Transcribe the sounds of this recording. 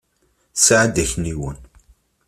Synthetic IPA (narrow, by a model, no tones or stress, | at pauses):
saʕəd̪æçniwən